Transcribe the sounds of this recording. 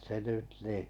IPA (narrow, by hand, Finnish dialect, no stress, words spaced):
se nyt niˑ